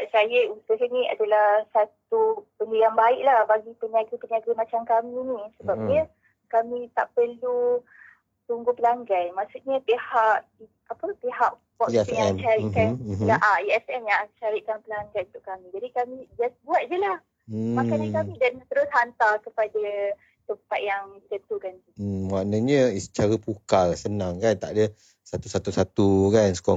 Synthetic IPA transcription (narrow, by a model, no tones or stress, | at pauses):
aʔsajəusəhənĩa̰dalahsat̪ubəndujaŋbaiʔlahbaɡipəniaɡəpəniaɡəmãt͡ʃamkaminĩsəbap̚ɲə | kamĩt̪a̰ʔpəlu | t̪uŋɡupəlaŋɡajmasuʔɲapehaʔ | apəpeɦaʔ | wɔʔsãʃaɾiʔkanaʔaiɛsɛmjaʃaɾiʔkanpəlaŋɡajũt̪ʊʔkamĩd͡ʒadikamĩd͡ʒasbuat̪̚d͡ʒəlah̩ | makaɲəkamĩdant̪əɾʊshant̪akəpada | t̪əmpat̪̚jaŋt̪ənt̪ukant̪umaʔnəɲə̃sə̥t͡ʃaɾapukalsənãŋkant̪a̰ʔdə | sat̪usat̪usat̪ukansə̥kɔ